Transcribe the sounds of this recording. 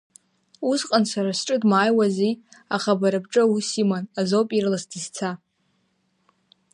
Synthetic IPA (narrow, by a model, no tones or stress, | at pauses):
usqʼansaɾasʈ͡ʂʼɨdmaːjwaziaχabaɾɨbʈ͡ʂʼɨusimanazopʼirlasdizt͡sʰa